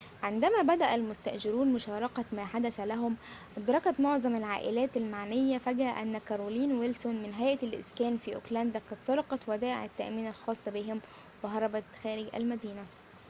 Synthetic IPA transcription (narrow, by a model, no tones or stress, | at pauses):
ʕend̪æmæːbæd̪æʔælmʊst̪æʔʒɪɾuːnmʊʃɑːɾˤɑkɑmæːħad̪æsælæɦʊmʔɑd̪ɾˤɑkɑt̪moʕzˤɑmalʕaːʔɪlæːt̪ælmaʕnɪjːæfæɡæʔænːækɑɾˤoːliːnwelsonmɪnɦæjʔlʔɪ̰skæːnfiːʔo̰klænd̪æqɑd̪sɑɾˤɑqɑt̪wæd̪æːʔɪ̰ʕɪt̪ːæʔmiːnælxɑːsˤːbiɦɪm | weɦɑɾˤɑbæt̪xæːɾɪɡʔæ̰lmæd̪iːnæ